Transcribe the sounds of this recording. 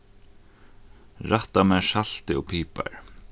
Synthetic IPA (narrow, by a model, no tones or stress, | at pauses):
ɹaht̪amɛːʂal̥t̪ɪɔpʰiːpa̰ɹ